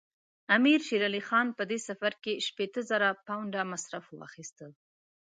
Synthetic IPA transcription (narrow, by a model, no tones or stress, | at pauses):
amiɾʃiɾalixɑnpəd̪esafaɾkeʃpet̪əzəɾapawɳɖamasɾafwɑ̰xist̪əl